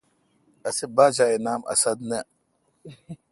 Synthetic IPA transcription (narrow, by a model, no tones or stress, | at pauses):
asibaːd͡ʒajenamʔa̰sad̪nɛ